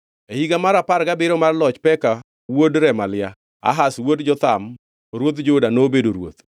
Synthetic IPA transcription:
ehiɡamaɾapaɾɡabɪɾɔmarlɔt͡ʃpɛka | wodɾɛmalɪa | a̰ɦaswodd͡ʒɔt̪am | ɾwot̪̬d͡ʒodanobedoɾwo̰t̪̚

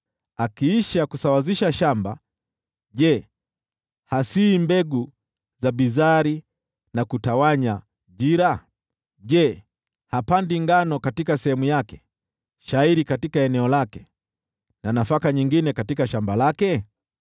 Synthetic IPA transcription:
akiiʃakusawaziʃaʃamba̰ | ʄɛ | hasiːmbɛɡu | zabizaɾi | nakutawaɲa | ʄiɾa | ʄɛ | hapandiŋɡanɔkatikasɛhɛmujakɛ̥ | ʃaiɾikatikaɛnɛɔlakɛ | nanafakaɲiŋɡinɛkatikaʃambalakɛ

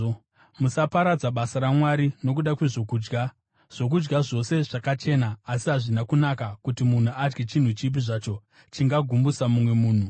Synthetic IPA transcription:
musapaɾad͡zaɓasaɾamwaɾino̞k̬uɗakwe̞ʐo̞kuːd͡ʒɡa | ʐ̥o̞k̬ud͡ʒɡaʐo̞se̞ʐakat͡ʃe̞naːsiɦaʐinakunakakutimun̤uad͡ʒɡet͡ʃin̤ut͡ʃip̬iʐat͡ʃo̞ | t͡ʃiŋɡaɡʱumbusamumwe̞muːn̤u

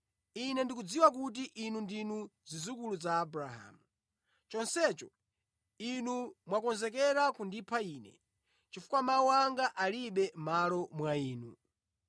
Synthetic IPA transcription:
inɛndikud͡ziwak̬ut̬iʔinundinuzizukuluzaːbɾaɦa̰ːmu | t͡ʃɔnsɛt͡ʃɔ | inumwakɔnzɛkɛɾakundipʰaiːnɛ̰ | t͡ʃifu̥kwamauwaŋɡaʔaliɓɛmalɔmwaiːnu

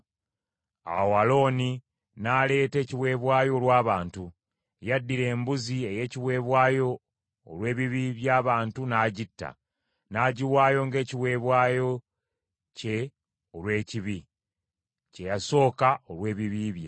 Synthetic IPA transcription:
a̰walo̞ːni | naːle̞ːte̞ːciwe̞ːβwaːjo̞ːlwaːβaːntu | jadːiɾe̞ːmbuzie̞je̞ːciwe̞ːβwaːjo̞ː | lwe̞ːβiβiβjaːβaːntunaːɟitːa̰ | naːɟiwaːjo̞ŋɡe̞ːciwe̞ːβwaːjo̞ | ce̞ | olwe̞ːciβi | ce̞jaso̞ːkaolwe̞ːβiβiβja̰

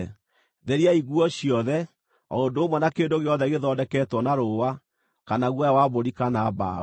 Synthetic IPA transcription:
ðeɾiaiɣwɔɕiɔðɛ | ɔondoːmwɔnakeːndoɣeɔðɛɣeðɔːdɛkɛtwɔnaɾowa | kanaɣwɔjawaβoɾikanaba̰

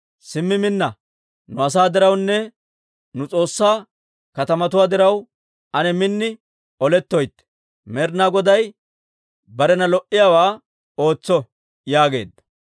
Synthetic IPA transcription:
sɪmːɪmɪnːɐ | nʊɐs̬aːd̪ɪɾɐwnːɛ | nʊt͡sʼo̞ːsːaː | kɐt̪ɐmɐt̪ʊwaːd̪ɪɾɐw | ʔɐnɛmɪnːɪ | ɔlɛt̪ːɔjt̪ːɛ̥ | mɛɾnaːɡɔd̪ɐj | bɐɾɛnɐlɔʔːɪjaːwaː | o̞ːt͡sːɔ | jaːɡe̞̰ːd̪ːɐ̥

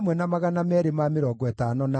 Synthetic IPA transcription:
mwɛnamaɣanamɛɾemameɾɔːɡɔɛtanɔna

